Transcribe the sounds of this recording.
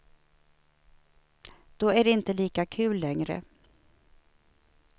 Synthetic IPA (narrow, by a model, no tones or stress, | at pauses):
d̪̥ɔæɖɛɪnt̪əliːkakʰʉ̟ːlːɛŋɾə̰